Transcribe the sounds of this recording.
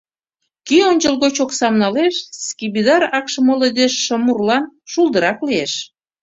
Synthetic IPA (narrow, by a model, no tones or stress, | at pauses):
kionʲd͡ʑəlˠɣot͡ɕoksɑmnɑleʃskʲibid̪ɑrɑkʃəmoled̪eʃːəmurlɑnʃulˠd̪əɾɑklieʃ